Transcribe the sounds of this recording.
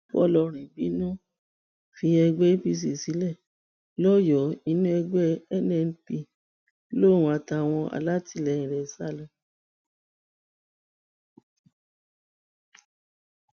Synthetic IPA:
fɔ̰˦˨lɔ˧ɾ̃ĩ˨bi˨˦nũ˦ | fi˧ɛ˧ɡ͡bɛ˦i˦bi˦s̬i˨si˨˦lɛ˦˨ | lɔ˦jɔ˨˦i˧nũ˦ɛ˧ɡ͡bɛ˦ɛ˦nɛ˧˨˧n̩˧pi˧ | lõ˦˨ũ˧˦a˧ta˧˨w̃ɔ̃˧ʔa̰˨la˦ti˦˧˨lɛ˨ĩ˨ɾɛ˨sa˦˨lɛ̃˧˦

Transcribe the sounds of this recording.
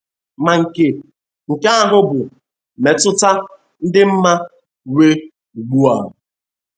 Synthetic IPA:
ma˨ŋ̩˨ke˨ | ŋ̩˨ke˦a˦ɦʊ˦bʊ˨ | me˨tʊ˦ta˦ | n̩˦dɪ˦m̩˦ma˦ | we˦ | u˨ɡ͡bu˦a˨

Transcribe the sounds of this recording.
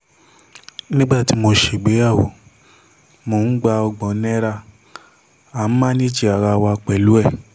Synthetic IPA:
nĩ˦ɡ͡ba˦˨ti˨˦mo˧ʃe˨ɡ͡be˨˦a˦˨wo˨ | mo˧˨˦n̩˦ɡ͡ba˧ɔ˧ɡ͡bɔ̃˨˦nɛ̃˦ɾa˧ | a˨n̩˦mã˦nĩ˦d͡ʒi˦˧a˨ɾa˧wa˧k͡pɛ˨lu˨˦ɛ˦˨

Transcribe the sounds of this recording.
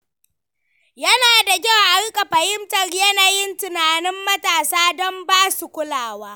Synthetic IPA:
jɐ˦naː˨da˨ɡʲa˦wʔa˦rkʼa˨ɸɐ˨hɪ˦mtɐ˨rjɐ˦naː˨jɪ˦ntɪ˨naː˨nɪ˦mːɐ˦taː˨saː˦dɔ˦mbaː˦su˨kʷʊ˦laː˨waː˦

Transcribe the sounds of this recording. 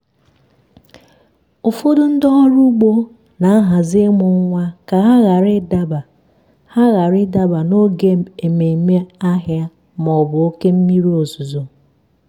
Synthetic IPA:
o˨fo˦dʊ˦n̩˦dɔ˦ɾu˦ɡ͡bo˦ | na˨a˦ɦa˨zɪ˦mʊ˨ŋ̩˦ŋʷa˦ka˨ɦa˦ɣa˨ɾɪ˦da˦ba˨ | ha˦ɣa˨ɾɪ˦da˦ba˨no˦ɡe˦e˨me˨me˦a˦ɦja˦ | mɔ˨bʊ˨o˦ke˦m̩˦mi˦ɾi˦o˨zu˨zo˨

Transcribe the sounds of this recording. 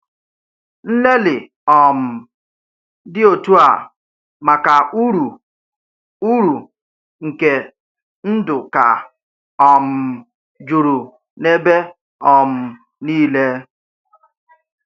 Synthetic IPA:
n̩˦le˦lɪ˨ | ɔ˨m̩˨ | dɪ˦o˨tu˦a˨ | ma˨ka˨u˦ɾu˨ | u˦ɾu˨ | ŋ̩˨ke˨ | n̩˦dʊ˨ka̰˨ | ɔ˨m̩˨ | d͡ʒu˨ɾu˨ | ne˦be˦ | ɔ˨m̩˨ | niː˦le˦

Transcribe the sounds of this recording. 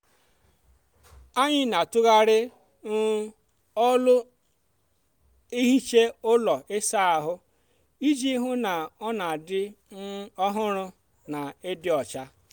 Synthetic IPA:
a˦ɲɪ˦na˨tʊ˦ɣa˦ɾɪ˦ | n̩˦ | ɔ˦lʊ˦ | i˦ɦi˦t͡ʃe˦ʊ˦lɔ˨e˦sa˦a˨ɦʊ˦ | i˦d͡ʒi˦ɦʊ˦na˨ɔ˦na˨dɪ˦nʊ˦ɔ˦ɦʊ˦ɾʊ˦ | na˨e˦dɪ˦ɔ˨t͡ʃa˦

